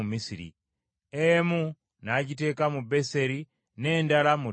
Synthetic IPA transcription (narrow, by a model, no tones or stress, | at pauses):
umisiɾḭ | emu | naɟite̞ːkamube̞se̞ɾi | ne̞ːndalamu